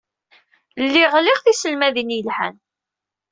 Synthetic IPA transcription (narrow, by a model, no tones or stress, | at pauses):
lːiʁliʁθisəlmæðinjəlħa̰n